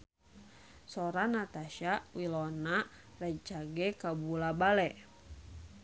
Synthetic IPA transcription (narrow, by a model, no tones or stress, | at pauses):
sɔɾanat̪aʃawilɔna | rɛt͡ʃaɡɛkabulabalɛ